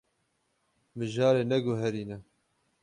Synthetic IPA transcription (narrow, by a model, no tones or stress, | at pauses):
mɨʒɑːɾeːnɛɡoɦɛɾiːnɛ